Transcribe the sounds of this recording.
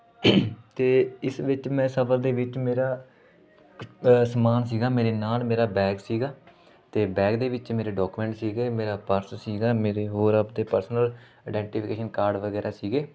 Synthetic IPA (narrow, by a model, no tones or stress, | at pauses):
t̪eːɪsʋɪt͡ʃmɛ̃ːsəbəɾd̪eːʋɪt͡ʃmeːɾaː | səmaːnsiːɡaːmeːɾeːnaːlmeːɾaːbɛːksiːɡaː | t̪eːbɛːkd̪eːʋɪt͡ʃmeːɾeːɖɔːkumɛ̃ːɳʈsiːɡeːmeːɾaːpəɾssiːɡaːmeːɾeːɦoːɾapd̪eːpəɾsənəlː | ɖɛ̃ːɳʈiːpʰɪkeːʃənkaːɾɖʋəɡɛːɾaːsiːɡeː